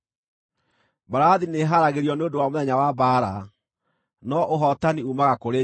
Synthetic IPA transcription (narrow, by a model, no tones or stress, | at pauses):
baɾaðineɦaɾaɣeɾiɔneodowamoðɛɲawabaːɾa | nɔʔoɦɔtaniumaɣakoɾe